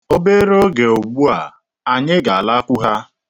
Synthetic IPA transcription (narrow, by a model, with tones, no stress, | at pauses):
o˦be˦ɾo˦ɡe˨o˨ɡ͡bu˦a˨ | a˨ɲɪ˦ɡa˨a˨la˦kʷu˦ɦa˦